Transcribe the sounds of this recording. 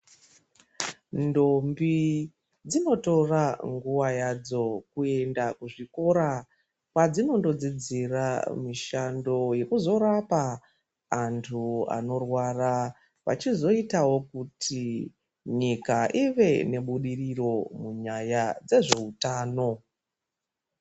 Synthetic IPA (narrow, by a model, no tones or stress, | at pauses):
ndo̞mbi | d͡zino̞to̞raŋɡuʋajad͡zo̞kue̞ndakuʐiko̞ɾa | kwad͡zino̞ndo̞d͡zid͡zira̰miʃando̞je̞kuzo̞ɾapaː | ntʰua̰no̞rwara | ʋa̰t͡ʃizo̞itawo̞kutʰi | ɲikaʔiʋe̞ne̞ɓuɗiriro̞muɲajad͡ze̞ʐe̞utaːno̞